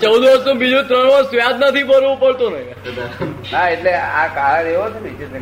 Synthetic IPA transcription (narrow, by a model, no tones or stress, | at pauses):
t͡ʃəud̪ʋəɾsõbid͡ʒũt̪ɾəɳʋasʋjad̪nət̪ʰipəɾʋũpəɭt̪onəi | aeʈleakaɭad̪eʋot͡ʃʰeneid͡ʒe